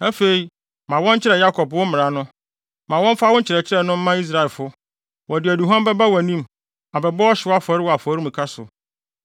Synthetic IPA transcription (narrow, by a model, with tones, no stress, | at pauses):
æ˦fe˨i˨ | mã˨wɔ̃˦ɲ˦t͡ɕʰɪ˦ɾɛ˨ja˦kʰɔ˨bwʊ˦mɪ̃˨ɾa˨nʊ̃˦ | mã˨wɔ̃˦m˦fa˦wʊ˦ɲ˦t͡ɕʰɪ˨ɾɛ˨t͡ɕʰɪ˦ɾɛ˨nʊ̃˦m̩˦mã˦i˦s̬ɾa˨ɛ˨lfʊ˦ | wɔ˨dɪ˨æ˨du˨ɦã˦bɛ˦ba˦wa˨nĩ˦m | a˨bɛ˨bɔ˦ɔ˦ɕɪ˨˦wa˦fɔ˨˦ɾɪ˦wɔ˨a˨fɔ˨˦ɾi˦mĩ˨kʰa˦sʊ˨